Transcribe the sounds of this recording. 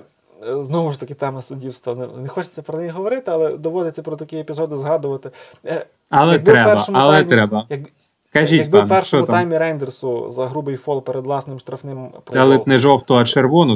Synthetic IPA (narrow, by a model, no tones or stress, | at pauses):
znɔɦʊʃt̪ɐkɪt̪ɛmɛsʊdʲiwst̪ʋɐnɛnɛxɔt͡ʃɪ̥t͡s̪ʲːɐpɾɔnɛjiɦɔʋɔɾɪt̪ɪɐlˠɛd̪ɔʋɔd̪ʲɪt͡sʲːɐpɾɔt̪ɐkʲiepʲizɔd̪ɪzɦɑd̪ʊʋɐt̪ɪ | ɐlˠɐɛtɡb̪ɪɾɛpɛrbɐʃɔmʊɐlˠɛmʲɾɛbɐjɐk | kɐʒʲijɐtʲɡpbɪnpɛrʃt͡ʃɔɔmʊt̪tajmʲiɾɛjnd̪ersʊzɐɦɾubɪjfɔlˠpeɾed̪ʋlˠɑsnɪmʃt̪ɾɐfnɪmpɾd̪ɛlˠɪt̪nɛʒɔwt̪ɔɐt͡ʃerʋɔnʊ